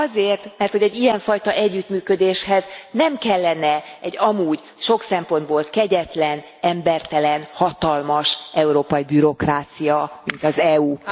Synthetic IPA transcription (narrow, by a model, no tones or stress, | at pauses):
ɒzeːrt̪mɛrt̪ho̞ɟɛɟːijɛɱfɒjt̪ɒʔɛɟːyt̪myːkød̪eːʃhɛznɛmkɛlːɛnɛɛɟːɒmuːɟ | ʃo̞ksɛmpo̞nd̪̚boːlkɛɟɛt̪lɛn | ɛmbɛrt̪ɛlɛnhɒt̪ɒlmɒʃɛuɾoːpɒibyɾo̞kraːt̪sijɒmint̪ɒzɛuː